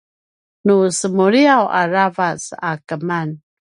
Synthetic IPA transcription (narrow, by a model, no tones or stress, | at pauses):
nusəmuɾiawaɾavasakəman